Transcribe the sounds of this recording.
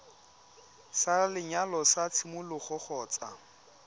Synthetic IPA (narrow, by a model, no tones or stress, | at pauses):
salɪɲalɔsat͡sʰɪmʊlʊχɔχɔːt͡sa̰